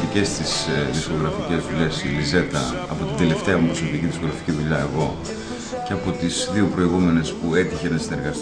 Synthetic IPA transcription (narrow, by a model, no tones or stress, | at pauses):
t̪ice̞st̪isðisko̞ɣɾɐfice̞zðuʎe̞silize̞t̪ɐ̰ɐ̰po̞t̪ind̪e̞le̞ft̪eɐupɾosopiciðisko̞ɣɾɐficiðuʎɐe̞ɣo̞ | ceɐpo̞t̪izðiupɾo̞iɣume̞ne̞spue̞t̪içenɐsine̞ɾɣɐs